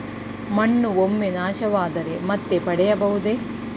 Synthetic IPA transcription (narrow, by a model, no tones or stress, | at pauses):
mɐɳːuomːenaːʃɐʋaːd̪ɐɾe̞mɐt̪ːe̞pɐɽɛjɐbɐɦud̪e